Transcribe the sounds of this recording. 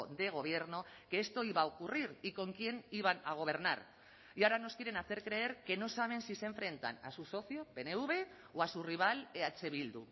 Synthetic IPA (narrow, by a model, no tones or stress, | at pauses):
d̪e̞ɣ̞o̞β̞je̞ɾno̞ke̞ːst̪o̞iβaokuriɾiko̞ŋkje̞niβ̞anaɣ̞o̞β̞e̞ɾna̰ɾ | iaɾano̞skiɾe̞naθe̞ɾkɾe̞eɾke̞no̞saβ̞e̞nsise̞ɱfɾe̞nt̪a̰na̰suso̞θio̞pe̞neuβ̞e̞ | oasuriβ̞aleat͡se̞βild̪u